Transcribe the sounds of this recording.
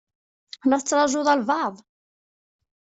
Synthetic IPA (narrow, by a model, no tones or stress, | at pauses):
næθət͡sːɾˤɑʒʊðˤɑlvɑʕðˤ